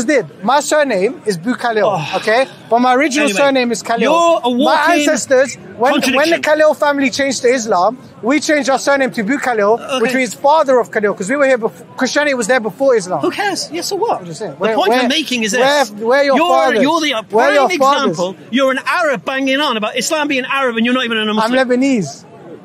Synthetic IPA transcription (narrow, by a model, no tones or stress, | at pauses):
zdɪd̚maɪsɜːnẽɪ̃mɪzbʉkʰalɪlˠoʊkʰeɪ | b̥ʌt̚maɪəɹɪd͡ʒənəlˠsɜ˞nẽɪ̃mɪz̥kʰalɪlwmaɪæ̃nsɛstəz | wə̃nwə̃nðəkʰalɪlˠfæ̃mlit͡ʃʰẽɪ̃nd͡ʒ̥tʰəɪzlɑ̃m | wit͡ʃʰẽɪ̃nd͡ʒdaʊəsɜ˞nẽɪ̃mtʰɨbʉkʰalɪlˠwɪt͡ʃʰwĩz̥fɑːðəɹəv̥kʰalɪlˠkʰʌzwiwə˞hiəbɪf | kʰɹ̥ɪst͡ʃianwɒzðəbɪfɔːɹɪzlɑ̰̃mhukʰɛz̥jɛsəwʌtsɪ̃ŋwəɔ̃əmeɪkɪ̃ŋɪzwɛwəjəəfɑːðəəðiwəjəfɑːãəzpəl̩ˠjəɹə̃naɹəb̚bæ̃ŋɪ̃ŋə̃nəbaʊtɪslɑ̃mbĩɪ̃ŋaɹəbə̃njənətivə̃nə̃nə̃ãɪmlɛbəniːz̥